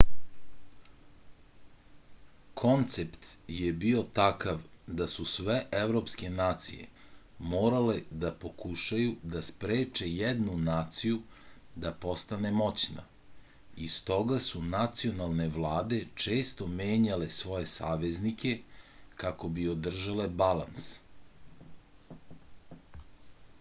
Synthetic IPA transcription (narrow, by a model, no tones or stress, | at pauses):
kʰo̞nt̪sept̪jebio̞t̪akaʋd̪asusʋe̞ʔeʋɾo̞pske̞naːt̪sḭje̞̰mo̞ːɾale̞d̪apo̞kuʃajud̪aspɾeːt͡ʃe̞jed̪nunaːt̪siju | d̪apo̞st̪ane̞mo̞t͡ɕna̰ | ist̪o̞ɡasunat̪sio̞nalˠne̞ʋlˠaːd̪e̞t͡ʃe̞ːst̪o̞me̞ːɲale̞sʋo̞je̞saːʋe̞znike̞kako̞biod̪r̩ʒale̞bala̰ns